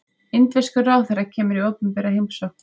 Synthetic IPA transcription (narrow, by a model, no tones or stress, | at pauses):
ɪnt̪vɛskʏraːwθɛɾacʰɛːmʏɾioːwpʏmpɛɾahejmsɔk̪